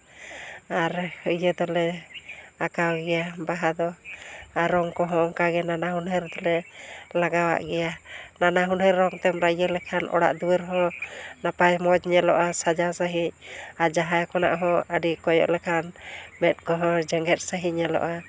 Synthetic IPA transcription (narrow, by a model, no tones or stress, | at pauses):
aɾjəd̪ɔlɛ | akawɡɛjabaɦad̪ɔaɾːɔŋkɔɦɔ̃ʔɔŋkaɡɛnanaɦunɦəɾd̪ɔlɛlaɡawa̰ʔɡɛjananaɦunɦəɾːɔŋt̪ɛmɾajəlɛkʰanʔɔ̰ɽa̰ʔd̪uwəɾɦɔ̃napajmɔd͡ʒɲɛlɔʔasad͡ʒasaɦiɲ̚aɾd͡ʒaɦajkɔna̰ʔɦɔ̃əɖikɔjɔ̰ʔlɛkʰanmɛt̪̚kɔɦɔ̃d͡ʒəŋɡɛt̪̚saɦiɲɛlɔ̰ʔa